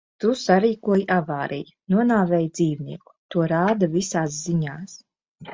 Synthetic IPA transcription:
t̪usaɾiːkuɔjʔavaːɾʔḭj | nuɔnaːvɛːjd̪z̥iːvniɛku̥t̪uɔɾaːd̪avisaːsziɲaːs

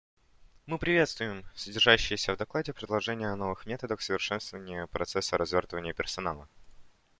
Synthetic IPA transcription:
mɨpɾʲɪvʲe̞t̪st̪vʊjɪmsədʲɪrʐaɕːɪjəsʲəvd̪ɐklˠadʲɪpɾʲɪd̪lˠɐʐɛnʲɪjəɐno̞vɨxmʲe̞t̪əd̪əxsəvʲɪrʂɛnst̪vəvənʲɪjəpɾʔɐt̪sɛsːəɾɐzvʲort̪əvənʲɪjəpʲɪrsɐnalˠə̰

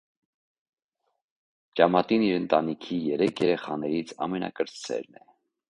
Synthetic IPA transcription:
t͡ʃɑmɑt̪iniɾənt̪ɑnikʰijɛɾɛkʰjɛɾɛχɑnɛɾit͡sʰɑ̰mɛnɑ̰kəɾt͡ssɛ̰ɾnɛ

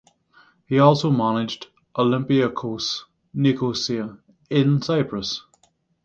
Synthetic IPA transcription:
hiɔˑlˠsoʊmanɪd͡ʒd | ʔəlɪ̃mpiəkʰoˑs | nikʰosiə | ɪ̃nsaɪpʰɹəs

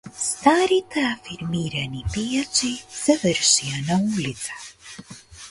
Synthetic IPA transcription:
st̪aːɾit̪aafiɾmiːɾɛnipijasisɛvɛɾʃijanauːlʲit̪sḁ

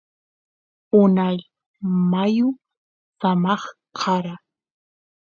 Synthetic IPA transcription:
ʊnaʎ | majʊ | samɑχqʰɑɾa

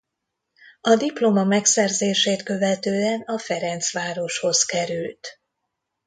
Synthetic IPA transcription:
ɒd̪iplo̞mɒmɛksɛrzeːʃeːt̪kø̞vɛt̪øːɛnɒfɛɾɛnt̪sʋaːɾo̞ʃho̞zkɛɾylt̪

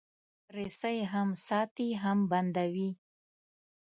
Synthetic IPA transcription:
pɾesəjeɦamsɑt̪iɦamband̪awi

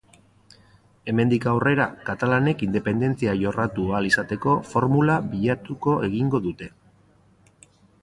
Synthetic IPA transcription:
e̞me̞nd̪ikawre̞ɾakat̪alane̞kind̪epe̞nd̪e̞nt͡siaʝo̞rat̪ualisat̪e̞ko̞fo̞ɾmulaβiʎat̪uko̞e̞ɣiŋɡo̞ðut̪e̞

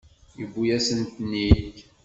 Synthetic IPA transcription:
jəbːujæsənt̪nːiç

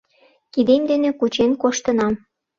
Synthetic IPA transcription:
kid̪emd̪enĕkut͡ɕenkoʃt̪ə̆nɑm

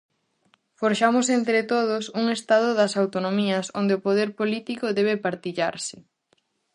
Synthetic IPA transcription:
foɾʃamʊsent̪ɾet̪oð̞ʊsuŋest̪að̞ʊðɐsawt̪onõmiɐsond̪ɪopoðeɾpolit̪ikoðɛβɪpaɾt̪iʎa̰ɾsɪ̥

